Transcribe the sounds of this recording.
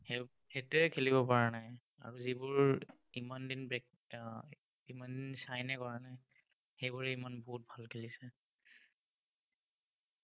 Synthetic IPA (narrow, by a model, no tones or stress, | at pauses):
he | hetuɛkʰeliβɔpaɹanaj | a̰ɹuzibʊɹ | imandinbk | imandinsajnɛkɔɹanaj | xejbuɹɛimanbɔɦut̚bʱalkʰelisɛ